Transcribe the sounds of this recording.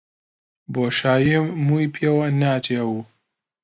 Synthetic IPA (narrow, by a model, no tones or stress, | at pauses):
boʃaːjimuːipʰeːwɐnaːt͡ʃʰewu